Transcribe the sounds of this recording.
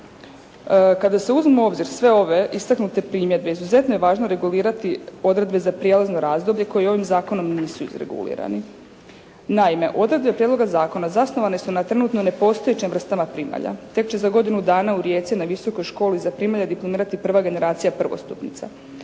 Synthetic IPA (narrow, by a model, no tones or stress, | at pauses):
kad̪ase̞uzmimoo̞bziɾsʋe̞o̞ʋe̞ʔist̪aknut̪e̞pɾiːmje̞d̪̚be̞izuze̞t̪nojeʋaːʒnoɾe̞ɡuliːɾat̪io̞d̪ɾe̞d̪be̞zapɾjeːlˠazno̞ɾaːzd̪o̞bʎe̞ko̞jio̞ʋimzaːko̞no̞mniːsuḭzɾḛɡṵlḭːɾa̰ni | naime̞ʔo̞d̪ɾe̞d̪be̞pɾʲjed̪lo̞ɡazaːko̞nazasno̞ʋane̞sunat̪ɾe̞nut̪none̞po̞st̪o̞jet͡ɕemvr̩st̪amapɾima̰ʎa̰t̪e̞kt͡ɕe̞zaɡo̞d̪inud̪aːnauɾjet̪sienaʋiso̞ko̞jʃko̞ːlizapɾimaʎad̪iplˠomiːɾat̪ipr̩ʋaɡe̞ne̞ɾaːt̪sijapr̩ʋo̰st̪upnḭt̪sa̰